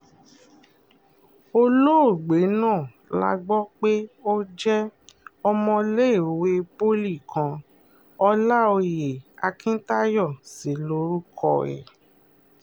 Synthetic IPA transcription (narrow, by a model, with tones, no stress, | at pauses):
o˧lo˦o˦˨ɡ͡be˨˦nãː˦˨ | la̰˧ɡ͡bɔ˦k͡pe˦o˦d͡ʒɛ˦ɔ˧mɔ̃˧le˦˨o˨we˧po˦li˦˨kã˨˧ | ɔ˧la˦o˧je˨a˧kĩ˦ta˦jɔ˦˨si˨˦lo˧˦ɾu˦kʰɔ˦˨ɛ̰˨